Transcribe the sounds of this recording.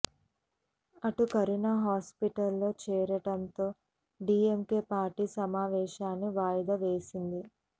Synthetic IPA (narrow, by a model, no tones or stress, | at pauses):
ɐʈukɐɾinaɦaːspiʈɐlːo̞ːt͡ʃɛːɾɐʈɐnt̪o̞ː | ɖiːemke̞ːpaːɾʈiːsɐmaːʋɛːʃaːnːiʋaːjɐd̪ɐʋeːsind̪i